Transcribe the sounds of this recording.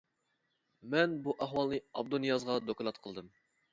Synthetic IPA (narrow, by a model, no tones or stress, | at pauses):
mɛnbuʔæɦwɑlˠnɨɑb̚d̪onijɑzʁɑd̪okɑnɑt̪qʰəlˠd̪ɨm